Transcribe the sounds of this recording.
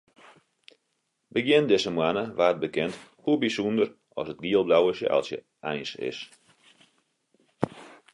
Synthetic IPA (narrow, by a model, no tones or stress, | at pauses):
bəɡjɪndɪsəmwanəʋaːt̚bəkɛnthubisundər | ʔɔ̰sət̚ɡiəlˠblawəsjə̰ʔɔ̰lˠsjə̰ | ɛjnsɪ̰s